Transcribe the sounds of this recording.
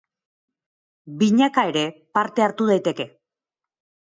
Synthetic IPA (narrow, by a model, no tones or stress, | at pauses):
biɲakae̞ɾe̞paɾt̪e̞aɾt̪uð̞ajt̪e̞ke̞